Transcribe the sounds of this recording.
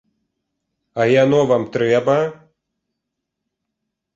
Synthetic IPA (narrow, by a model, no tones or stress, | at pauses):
ɐjanɔvamt̪ɾɛbɐ